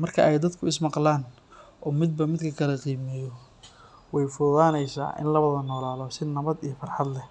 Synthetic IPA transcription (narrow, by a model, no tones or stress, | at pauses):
mɐrkʰɐʔɛjd̪ɐd̪kʰʊɪsmɑqlaːn | ʔɔːmɪd̪̚bɐmɪd̪kʰɐkʰɐlɐqiːmɛjɔ | wɛjfʊðaːnɛjsa̰ːʔɪ̰nlɐβɐðɐnːɔːlaːlɔːsɪnːɐβɐd̪ijɞfɑrħɑd̪lɛ